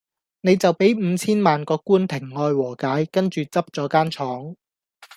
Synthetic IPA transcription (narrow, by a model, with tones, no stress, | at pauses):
ne˨˧jt͡sɐ˨wpe˨˥jm̩˨˧t͡sʰiː˥nmaː˨˩nkɔː˧kːuː˥nt̪ʰɪ˨˩ŋːɔː˧jwɔː˨˩kaː˨˥jkɐ˥nt͡ʃyː˨t͡sɐ˥p̚t͡sɔː˨˥kaː˥nt͡ʃʰɔː˨˥ŋ